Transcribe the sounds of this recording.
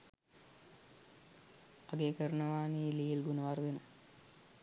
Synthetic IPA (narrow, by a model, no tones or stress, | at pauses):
aɡeːkəɾənəʋaːniːliːlɡunəʋard̪enə